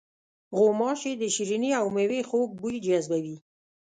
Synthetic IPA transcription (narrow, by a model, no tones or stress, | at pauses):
ɣomɑʃed̪əʃiɾiniawmewexok̚bujd͡ʒazbawi